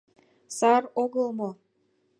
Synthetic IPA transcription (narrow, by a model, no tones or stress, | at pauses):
sɑroɣəlmo